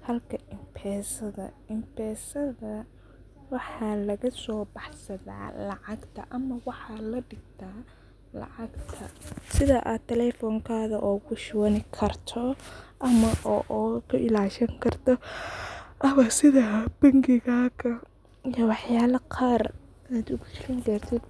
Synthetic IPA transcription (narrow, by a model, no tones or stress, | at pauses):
hɐlkʰɐɪmpʰɛːsɐðɐ̰ | ɪmpʰɛːsɐðɐ | wɑħɑːlɐɣɐsɔːbɑħsɐða̰ːlɑʕɑɡt̪ʰɐ̰ʔɐmɐwɑħɑːlɐɖɪɡt̪ʰaː | lɑ̰ʕɑɡt̪ʰɐsɪðaʔaːdt̪ʰːɛlɛfɔːŋkʰaːðɐʔɔːkʰʊʃwɐnɪkʰɐrt̪ʰɔʔɐmɐʔɔʔɔːkʰɐʔɪlaːʃɐŋkʰɐrt̪ʰɔ | ʔɐmɐsɪðɐb̥ɐŋɡɪɣaːɣɐ | jɐwɑħjaːlɐqʰɑːr | ɪaːd̪ʊɣʊt͡ʃɪɾɐŋkɐrt̪ʰɪd̪